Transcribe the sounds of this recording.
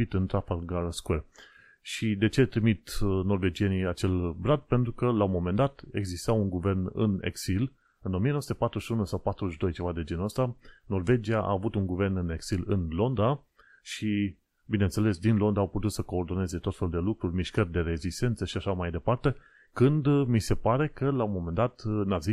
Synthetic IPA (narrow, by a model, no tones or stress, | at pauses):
it̪ɨnt̪ɾafalɡaskuer | ʃid̪e̞t͡ʃe̞t̪ɾimit̪no̞rve̞d͡ʒie̞niat͡ʃe̞lbɾad̪̚pe̞nt̪ɾukəlaomo̞me̞nd̪at̪e̞̰ɡzist̪awuŋɡuve̞rnɨ̰nḛksil | ɨnomijenosut̪epat̪ɾuʃunusawpat̪ɾuzʃd̪o̞jt͡ʃe̞vad̪e̞d͡ʒe̞nəst̪ano̞rve̞d͡ʒiaʔa̰ːvut̪uŋɡuve̞rnɨneɡsilɨ̰nlo̞nd̪a | ʃi | bine̞nt̪se̞le̞sd̪inlo̞nd̪aːwput̪ut̪səko̞ːrd̪o̞ne̞ze̞t̪ot̪fe̞luld̪e̞lukɾurʲmiʃkərʲd̪e̞ɾe̞zist̪e̞nt̪səʃiaʃamajd̪e̞part̪e̞ | kɨnd̪mise̞paɾe̞kəlaomo̞me̞nd̪at̪nazi